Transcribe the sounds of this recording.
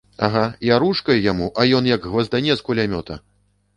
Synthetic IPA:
aɣajaɾuʂkɐjjamuʔɐjɔnjɐɡɣvɐzd̪anʲɛskulʲamʲɔt̪ɐ̰

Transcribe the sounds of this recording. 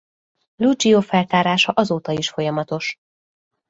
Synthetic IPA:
lud͡ʒiofɛlt̪aːɾaːʃɒʔɒzoːt̪ɒiʃfo̞jɒmɒt̪o̞ʃ

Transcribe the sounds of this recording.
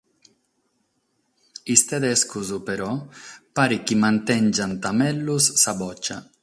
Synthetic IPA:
ist̪ed̪ɛskuzupeɾɔpaɾikimant̪ɛnd͡ʒant̪amɛlːusːabɔt͡ʃːa̰

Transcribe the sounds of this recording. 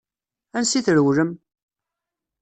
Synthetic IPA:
ænsiθɾəwɾəm

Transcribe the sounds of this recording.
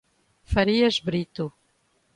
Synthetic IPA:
fɐɾiɐʃbɾit̪u

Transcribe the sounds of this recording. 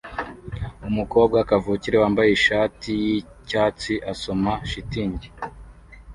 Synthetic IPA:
umuko̞ːb̚ɡakavuːciɾewaːmbajeʃaːtiji | caːt͡siʔaso̞maʃitiːɲɟi

